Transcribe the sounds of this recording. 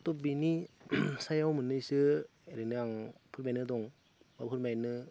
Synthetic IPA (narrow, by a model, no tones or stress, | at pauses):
tɔbinisajawmɯnɯjsɯ | ɾenɯaŋpʰɯɾmajnɯdɔŋ | bapʰɯɾmajnɯ